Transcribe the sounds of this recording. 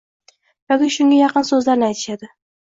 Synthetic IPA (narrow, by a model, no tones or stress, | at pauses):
jɒkʲɪʃʊŋɡʲajɑqɨnsɵzlaɾnɪajt̪ʰɪʃad̪ɪ